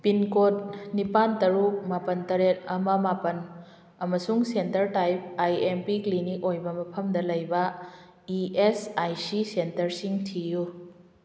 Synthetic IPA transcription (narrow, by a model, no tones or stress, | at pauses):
pinkot̚nipantɐɾuk̚mapɐntɐɾet̚ɐmɐmapɐn | ɐmɐsuŋsentɐɾtajp̚ajempiklinik̚ojbɐmɐpʰɐmdɐlɐjbɐ | iesajsisentɐɾsiŋtʰiju